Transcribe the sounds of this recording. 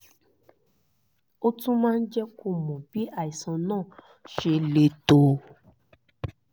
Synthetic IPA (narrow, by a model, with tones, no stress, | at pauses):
o˦tũ˦mãː˦˧n̩˦d͡ʒɛ˦ko˧˨mɔ̃˨bi˨˦a˦˨i˨sã˧nãː˦˨ | ʃe˧le˧to˧